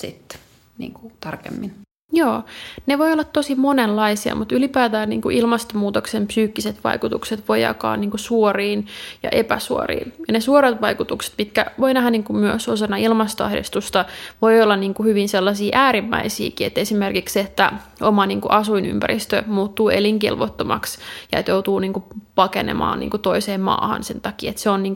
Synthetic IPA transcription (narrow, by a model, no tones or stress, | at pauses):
sit̪ː | nḭːŋku̥t̪ɑrkḛmːin | joːneʋoiolːɑt̪tosimonelːɑisiɑ̰mut̪ylipæːt̪æːnnḭːŋkuʔilmɑst̪omuːt̪oksempsyːkːiset̪ʋɑ̰ikut̪ukset̪ʋojɑ̰kɑ̰ːnniːŋkusuoriːnjɑ̰ʔepæ̰suo̰rḭːnjɑnesuoɾet̪ʋɑikut̪ukse̥t̪mit̪kæ̰ʋoinæɦænniːŋkummyøsosɑnːɑilmɑst̪oɑhdḭst̪ust̪ɑʋoiolːɑnniːŋkuhyʋinselːɑsiːʔæːɾimːæ̰isḭːkiet̪ːesimerkikset̪ːæ | omɑniːŋkuʔɑsuiny̰mpæ̰ɾist̪ømuːt̪ːuːeliŋkḭlʋot̪ːomɑ̰ksjɑ̰ḛt̪jowt̪uːniːŋkupɑkenḛmɑ̰ːnḭːŋkut̪oiseːmmɑ̰ːhɑ̰nsent̪ɑkiːet̪seonniːŋk